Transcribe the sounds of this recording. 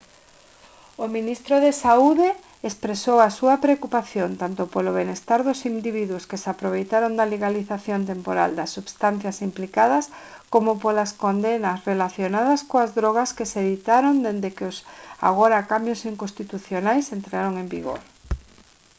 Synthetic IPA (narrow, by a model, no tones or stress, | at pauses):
ʊmĩnist̪ɾoðesauðeː | spɾesowɐsuɐpɾeokupaθjont̪ant̪ʊpoloβenest̪aɾðʊsind̪iβiðuʊskesapɾoβ̞ejt̪aɾond̪ɐleɣaliθaθjont̪̬empoɾa̰ld̪ɐsːuβst̪an̟θjɐsimplikaðɐskomopolɐskond̪enɐsrelaθjonaðɐskoazðɾɔɣɐskeseðit̪aɾond̪end̪ekeʊsa̰ɣoɾakambjosiŋkost̪it̪uθjonajsent̪ɾaɾoŋẽmbḭɣo̰ɾ